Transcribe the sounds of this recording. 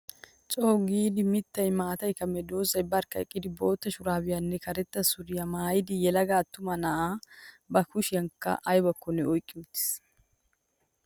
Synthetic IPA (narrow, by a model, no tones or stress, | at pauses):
t͡ʃʼoːɡiːd̪ɪmɪt̪ːɐjmaːt̪ɐjkɐmɛd̪oːzɐjbɐɾkːɐɛkʼːɪd̪ɪbo̞ːt̪ːɐʃʊɾaːbɪjɐnːɛkɐɾɛt̪ːɐsʊɾɪjɐmaːjɪd̪ɪjɛlɐɡaːt̪ːʊmɐnɐa | bɐkʊʃɪjɐŋkːɐ̰ʔɐjbɐkːɔnːɛɔjkʼːɪmɪt̪ːɪ̥s